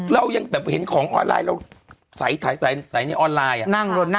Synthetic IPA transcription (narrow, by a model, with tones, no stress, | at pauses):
ɾa˧wja˧ŋɓɛː˨˩p̚he˩˦nkʰɔː˩˦ŋʔɔ̰ː˧nla̰ː˧jɾa̰˧˩w | sa˩˦jt̪ʰa˨˩˦jsa˨˩˦sa˨˩˦jna˧˩jʔɔː˧nlaː˧jʔa˨˩na˥˩ŋɾu˧t̪̚na˥˧